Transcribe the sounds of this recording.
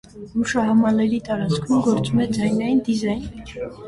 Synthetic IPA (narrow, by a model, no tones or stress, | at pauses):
muʃɑɦɑmɑlɛɾit̪ɑɾɑt͡sʰkʰumɡɔɾt͡sumɛd͡zɑjnɑjind̪izɑjn